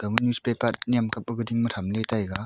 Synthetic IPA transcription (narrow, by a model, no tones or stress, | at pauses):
ɡ̥ɐmunjuspepat̚nijamkap̚ːɐɡɯdiŋmɐtʰamletajɡa